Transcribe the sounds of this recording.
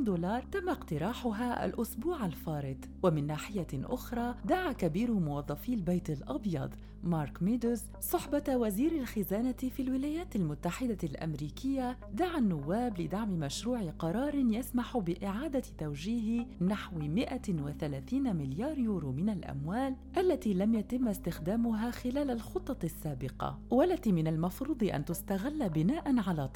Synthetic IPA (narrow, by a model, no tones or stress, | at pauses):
d̪oːlɑːɾˤt̪amːaqt̪ɪɾˤɑːħʊɦaʔa̰lʔʊsbuːʕalfɑːɾɪt̪ | wamɪnːaːħɪjaʔʊxɾˤɑːd̪aʕakabiːɾʊmʊwɑðˤːɑfiːlbajt̪ɪlʔɑbjɑ̰d̪ˤ | mɑːɾˤkmed̪ʊz | sˤʊħbawaziːɾɪlxɪzaːnafiːlwɪlaːjaːt̪ɪlmʊt̪ːaħɪd̪alʔa̰mɾiːkɪjːa | d̪aʕanːʊwːaːblɪd̪aʕmɪmaʃɾuːʕɪqɑɾˤɑːɾˤɪnjasmaħʊbɪʔɪʕaːd̪at̪awʒiːɦɪnaħwmɪʔawaθalaːθiːnamɪljɑːɾjuːɾumɪnalʔa̰mwaːlʔalːat̪iːlamjat̪ɪmːɪst̪ɪxd̪aːmʊɦaːxɪlaːlalxʊt̪ˤːɑsːaːbɪqɑ̰walːat̪imɪnalmɑfɾuːd̪ˤɨʔa̰nt̪ʊst̪aɣɪlːabɪnaːʔanʕalaːt̪ˤ